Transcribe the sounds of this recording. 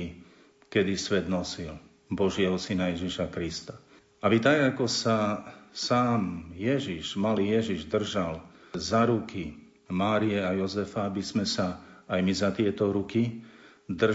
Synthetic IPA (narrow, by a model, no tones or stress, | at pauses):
kɛd̪isʋɛd̪nɔsil | bɔʒɪɛɦɔsinajɛʒiʃakɾist̪a | abit̪aɡakɔsasaːmjɛʒiʒmaliːjɛʒiʒd̪r̩ʒalzaɾuki | maːɾijɛajɔzɛfaabizmɛsaːjmizat̪ɪɛt̪ɔɾukid̪r